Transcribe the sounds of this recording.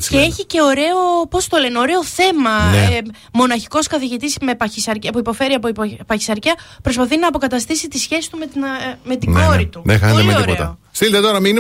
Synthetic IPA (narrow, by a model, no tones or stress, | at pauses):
ceeçice̞o̞ɾe̞opo̞st̪o̞leno̞ɾe̞o̞θe̞mɐn | mo̞nɐçi̥ko̞skɐθiʝit̪isme̞pɐisɐɾɐpuipo̞fe̞ɾiɐppɐçi̥sɐɾciɐpɾo̞spɐθinɐːpo̞kɐt̪ɐst̪isit̪isçe̞sist̪umet̪me̞t̪inɡoɾit̪unexɐemeoɾipot̪ɐ̰ost̪ilt̪et̪o̞ɾɐmin